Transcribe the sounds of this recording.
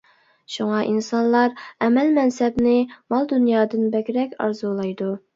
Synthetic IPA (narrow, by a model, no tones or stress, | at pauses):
ʃuŋɑʔinsɑnlˠɑɾɛmɛlmɛnsɛbnɪmɑlˠd̪unjɑːd̪ɨnbɛkʲɾɛkʲɑ̰ɾzulˠɑjd̪u